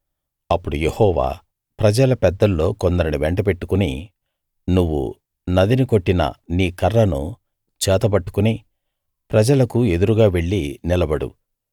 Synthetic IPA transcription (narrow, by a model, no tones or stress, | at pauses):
ɐpːuɽuje̞hɔːʋa̰ː | pɾɐd͡ʒɐlɐpɛd̪ːɐlːo̞ːkond̪ɐɾiniʋeɳʈɐpe̞ʈːukuni | nuʋːṵ | nɐd̪iniko̞ʈːinɐ̰niːkɐrːɐnṵ | t͡ʃɛːt̪ɐbɐʈːu̥kuni | pɾɐd͡ʒɐlɐkue̞d̪uɾuɡaːʋe̞ɭːinilɐbɐɽṵ